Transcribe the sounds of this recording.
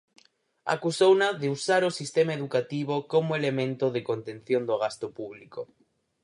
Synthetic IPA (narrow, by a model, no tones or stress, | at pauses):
a̰kusownaðeusaɾosist̪emaeðukat̪iβokomoelemẽnt̪oðekont̪ẽnθjond̪oɣ̞ast̪opuβliko